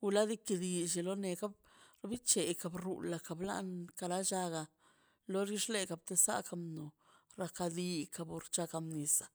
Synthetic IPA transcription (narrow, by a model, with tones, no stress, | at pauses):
u˧la˦d̪i˦ki˧d̪i˧˨ʃe˨lo˦ne˨ka˦b | ɾbi˦t͡ʃe˨ka˨bɾṵ˨la˨ka˨bla̰˦nka˧ɾa˦ʃa˧ɡa˧˨ | lo˦ɾi˦ʂle˦ka˧˨b̚t̪e˧sa̰˦ka˧mno˨ɾa˧ka˧d̪i˧ka˧bo˨ɾt͡ʃa˧ka˧mni˨sḁ˨